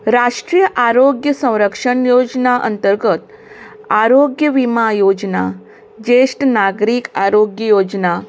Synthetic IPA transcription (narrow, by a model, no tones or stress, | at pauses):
ɾaʂʈɾiːjəʔaɾoɡjəsə̃w̃ɾəkʂəɳjod͡ʑnaʔə̰nt̪əɾɡət̪ | aɾoɡjəʋimajod͡ʑna̰ | d͡ʑeʂʈnaɡɾiːkaɾoɡjəjod͡ʑna